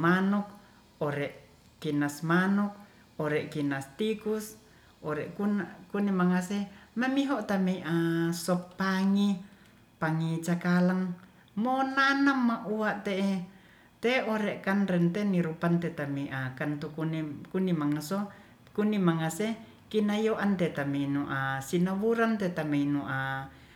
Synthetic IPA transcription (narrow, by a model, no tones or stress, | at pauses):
manuk̚ | oɾɛʔ | kinasmanuk̚ | oɾɛʔkinast̪ikus | oɾɛʔkunkunimaŋasemamiɦoʔt̪ameiʔasɔpːaŋi | paŋit͡ʃakalaŋ | monanamːaʔuaʔt̪eʔe | t̪eoɾeʔkanɾɛnt̪eniɾupant̪et̪ameiʔakant̪ukunkunimaŋaso | kunimaŋase | kinajoʔant̪et̪ameinuʔasinawuɾant̪et̪ameinuʔa